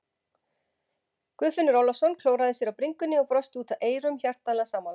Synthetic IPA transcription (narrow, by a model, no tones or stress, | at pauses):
kvʏːðfɪnːʏɾɔlɔsɔnkʰloːwɾaðɪsjɛɾawpɾiŋkʏnːɪɔpɾɔst̪uːt̪aʔeːjɾʏmçar̥t̪alɛasaːma